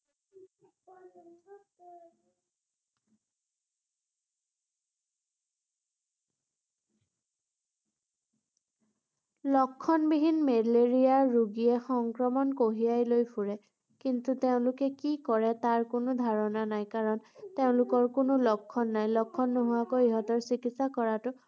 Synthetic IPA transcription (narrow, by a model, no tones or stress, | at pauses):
lɔkʰːɔnbiɦinmedleɹijaɹuɡiɛxɔŋkɹɔmɔnkoɦijajlojpʰuɹɛ | kintuteʊ̃lʊkɛkikɔɹɛtaɹkʊnʊdʱaɹɔnanajkaɹɔnteʊ̃lʊkɔɹkʊnʊlɔkʰːɔnːajlɔkʰːɔnːoɦʊwakojiɦɔtɔɹsikitsakɔɹatʊ